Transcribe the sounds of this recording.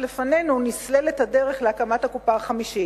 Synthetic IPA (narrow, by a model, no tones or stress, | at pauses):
lefane̞nunislelethade̞ʁe̞χleakamathakupaχamiʃi